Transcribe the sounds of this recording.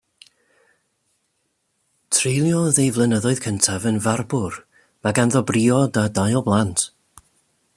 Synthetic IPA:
tʰrejlˠjɔðejvlˠənəðɔɨð̥kʰəntʰavənvarbʊr | maɡanðɔbriːɔdadajɔblˠantʰ

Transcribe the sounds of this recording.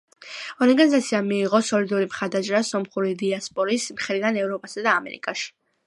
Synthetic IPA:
ɔɾɡanizat̪sʰiamiːʁɔsɔlid̪uɾimχaɾd̪ad͡ʒʼɛɾasɔmχuɾid̪iaspʼɔɾismχɾid̪anɛvɾɔpʼasad̪aːmɛ̰ɾḭkʼaʃi̥

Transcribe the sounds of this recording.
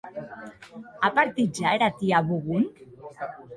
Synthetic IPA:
apaɾt̪id͡ʒaeɾat̪iaβuɣum

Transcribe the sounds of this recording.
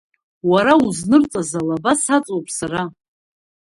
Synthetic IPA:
waɾauznɨrt͡sʼazalabasat͡sʼowpʼʰsaɾa

